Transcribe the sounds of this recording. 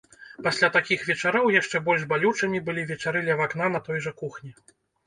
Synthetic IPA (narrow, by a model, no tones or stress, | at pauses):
pasʲlʲat̪akʲixvʲɛt͡ʂaɾɔwjaʂt͡ʂɛbɔlʲʐbalʲut͡ʂɐmʲibɨlʲivʲɛt͡ʂaɾɨlʲɛvaknanɐt̪ɔjʐɐkuxnʲi